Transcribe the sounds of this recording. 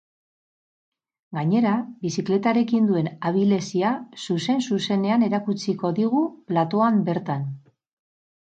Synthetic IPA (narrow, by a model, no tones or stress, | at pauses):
ɡaɲe̞ɾabisikle̞t̪aɾe̞kind̪ue̞naβ̞ile̞siasuse̞nsuse̞ne̞ane̞ɾakut͡siko̞ðiɣ̞uplat̪o̞ambe̞ɾt̪an